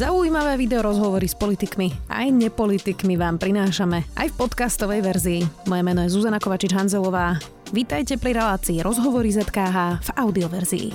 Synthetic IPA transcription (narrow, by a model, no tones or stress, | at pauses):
zauiːmaʋɛːʋid̪ɛɔɾɔzɦɔʋɔɾispɔlit̪ikmia̰jɲɛpɔlit̪ikmiʋaːmpɾinaːʃamɛa̰jfpɔt̪kast̪ɔʋɛjʋɛɾziːmɔjɛmɛnɔjɛzuzanakɔʋat͡ʃid͡ʒɦanzɛlɔʋaː | ʋit̪ajcɛpɾiɾɛlaːt͡siːɾʔɔzɦɔʋɔɾizɛt̪kaːɦaːv̥aʊd̪iɔʋɛɾzḭḭ